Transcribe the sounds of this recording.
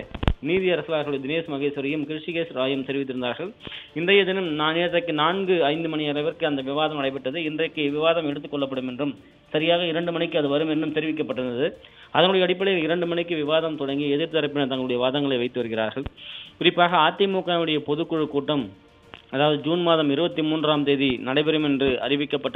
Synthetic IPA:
niːðɪjɐɾɐsɯlaːɾɣɐɭɯɽɐd̪ɪneːsmɐɣeːsɐɾɪjɐmkɪɾɪʂiɣeːsɾaːjɐmt̪ɛɾɪʋɪt̪ːɯɾɯnd̪aːɾɣɐɭɪnd̪ɐjɐd̪ɪnɯmnaːneːɐt̪ːɐkːɯnaːnɡɯɐɪnd̪ɯmɐnɪɐɾɐɪʋɐɾkɯɐnd̪ɐʋɪʋaːðɐmɐɽɐɪp̬ːɐʈːɐðɯɪndrɐɪkːɯʋɪʋaːðɐmɛɽɯt̪ːɯkːɔɭːɐpːɐɽɯmɛndrɯm | sɐɾɪjaːɣɐɪɾɐɳɖɯmɐnɪkːɯɐðɯʋɐɾɯmɛnːɯmt̪ɛɾɪʋɪkːɐpːɐʈːɯɾɯnd̪ɐðɯ | ɐðɐŋɡɯɽɐjɐːɽɪp̬ːɐɭɐjɪlɪɾɐɳɖɯmɐɳɪkːɯʋɪʋaːðɐmt̪ɔɽɐŋɡiɛðɪɾt̪ɐɾɐɪp̬ːɪnɐt̪ɐŋɡɐɭɯɽɐjɐʋaːðɐŋɡɐɭɐɪʋɐɪt̪ːɯʋɐɾɯɣɪɾa̰ːɾɣɐɭkʊɾɪpːaːɣɐaːt̪ːɪmuːkːaːʋɯɽɐjɐpɔðɯkːɯɻɯkːuːʈːɐm | ɐðaːʋɐðɯd͡ʒuːnmaːðɐmɪɾɯbɐt̪ːimuːndraːmt̪eːðinɐɽɐɪpɛɾɯmɛndrɯɐ̰ɾɪʋɪkːɐpːɐʈː

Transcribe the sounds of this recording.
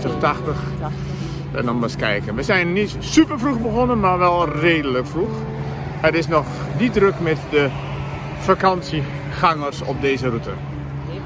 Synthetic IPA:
təχtɑχtəχ | ɛ̰ndɔnʋaskɛ̰jkənʋəzɛjnːit | sypəɹfruχbəχɔnənmaːɹʋɛlˠreːdələkfruχ | ətɪsnɔχ | didrɵkmɛtdə | fakɑnsi | χɑŋərsɔ̰b̚dejzərutə̰

